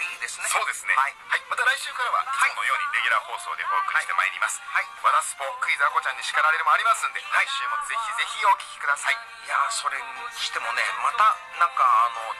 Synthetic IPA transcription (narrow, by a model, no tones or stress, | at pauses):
id̪e̞sɨ̥nsoːd̪e̞sɨneaihaimat̪aɾaiɕɨːkaɾaβa̰hano̞jo̞ːɲ̟iɾe̞ɡʲiɾaho̞ːso̞̰ːd̪eboːkɯ̟ɾit̪ema̰ḛɾʲḭmasɨ̥haiβad̪asɨ̥poːkɯ̟izako̞t͡ɕãɲ̟ːiɕi̥kaɾaɾe̞ɾɯmoaɾʲimasɨ̃nd̪e̞haiɕɨːmo̞ze̞çʲize̞çʲio̞kʲi̥kʲi̥kɯ̟d̪asai | jaso̞ɾe̞ɕi̥t̪e̞mo̞ne̞mat̪a | nãŋkaːno̞